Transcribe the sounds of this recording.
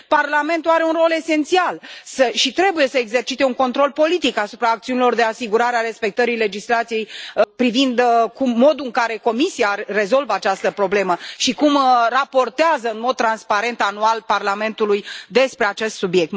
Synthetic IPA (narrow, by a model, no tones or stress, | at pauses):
parlame̞nt̪uaɾe̞unro̞le̞se̞nt̪sialsəʃit̪ɾe̞buje̞səeɡze̞rt͡ʃit̪e̞uŋko̞nt̪ɾo̞lpo̞lit̪ikasupɾaːk̚t̪siunilo̞rd̪e̞asiɡuɾaɾeaɾe̞spe̞k̚t̪əɾijle̞d͡ʒislat̪sije̞jpɾivind̪kumːo̞d̪uɨŋkaɾe̞ko̞misiare̞zo̞lvəat͡ʃast̪əpɾo̞ble̞məʃikumrapo̞rt̪eazəɨnmo̞d̪̚t̪ɾanspaɾe̞nt̪anualparlame̞nt̪ulujd̪e̞spɾe̞at͡ʃe̞st̪subje̞k̚t̪